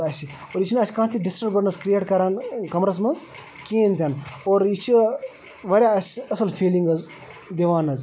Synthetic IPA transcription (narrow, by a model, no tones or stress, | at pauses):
ɐsi | oːɾit͡ʃʰnɐsʲkãːt̪ʰiɖisʈɐɾbɐɽnɐskɾijeːʈkɐɾaːnkɐmɾɐs̬mɐnz | kẽːnt̪ʲaːnoːɾit͡ʃʰi | ʋɐɾʲjaːɐsʲɐsɐlfiːliŋɡɐz | d̪eʋaːnɐz